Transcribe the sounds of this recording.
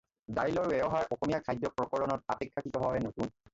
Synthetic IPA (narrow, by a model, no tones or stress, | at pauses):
dajlɔɹbɛɔɦaɹʔɔxomijakʰajdːɔpɹɔkɔɹɔnɔt̚a̰pekʰːakitɔɦɔɛnokun